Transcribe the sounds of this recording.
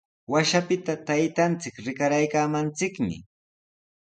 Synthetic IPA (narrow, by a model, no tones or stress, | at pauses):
waʃapɪt̪at̪ajt̪ant͡sɪkɾɪkaɾajkaːmant͡sɪkmɪ̰